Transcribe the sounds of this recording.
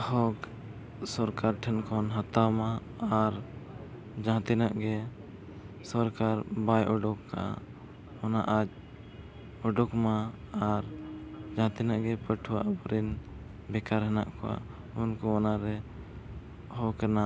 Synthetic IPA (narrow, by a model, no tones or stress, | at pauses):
hɔk | sɔɾkaɾʈʰɛnkʰɔnɦat̪awmaː | ɾ | d͡ʒãɦt̪inaʔɡɛ | sɔɾkaɾbajʔɔɖɔkːaʔa̰ | ɔnaʔad͡ʒ | ɔɖɔkmaːɾd͡ʒãt̪inaʔɡɛpəʈʰuwaʔbɔɾin | bɛkaɾɦɛnaʔkɔwa̰ | unkɔɔnaɾɛ | hɔkɛna